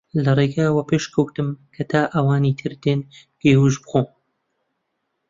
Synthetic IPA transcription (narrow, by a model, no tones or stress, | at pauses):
lɐrˤeɡaːwɐpʰeʃkʰɐwt̪ɨmkʰɐt̪ʰaːʔɐwaːniːt̪ʰɨɾd̪eːnɡ̥eːwuʒbɨxoːm